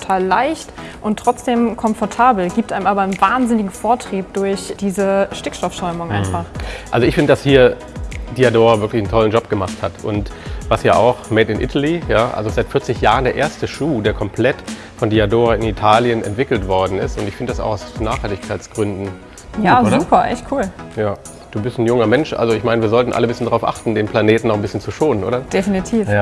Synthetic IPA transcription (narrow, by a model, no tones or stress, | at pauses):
ttʰaːlːaɪçt | ʔʊntːʁ̥ɔt͡sd̥eːmkʰɔmfɔɐtʰaːbl̩ɡiːp̚tʔaɪmaːbɐənvaːnzɪnɪɡŋ̩foːɐtʁ̥iːp̚d̥ʊɐçd̥iːzəʃtɪkʃtɔfʃɔʏmʊŋʔa̰ɪnffaχʔalzoɪçfɪndədashiːɐ | d̥iadoːʁavɪɐklɪçn̩tʰɔlən̩d͡ʒɔp̚ɡ̥əmaχthatʔʊ̰ntvasjaːʔaʊxmeːtɪnʔɪ̰tʰalijaːʔa̰lzozaɪtfɪɐt͡sɪçjaːʁəndeːɐʔḛːɐstəʃuːdeːɐkʰɔmpʰl̥ɛt | fɔndiadoːʁaɪnitʰaːljənɛ̰ntv̥ɪkl̩tv̥ɔɐdn̩ɪstʊntɪçfɪndədasaʊxaʊsnaːxhaltɪçkʰaɪt͡sɡ̥ʁʏndn̩ | jaːozɐuːpʰɐʔɛ̰çtkʰuːljaː | d̥uːbɪstn̩jʊŋɐmɛnʃʔa̰lzoɪçmaɪnəviːɐzɔltn̩ʔa̰ləbɪsçəndaʁaʊfʔa̰χtn̩deːnpʰlaneːtn̩nɔχn̩bɪsçənt͡suʃoːnənʔo̰ːdɐd̥efinitʰiːf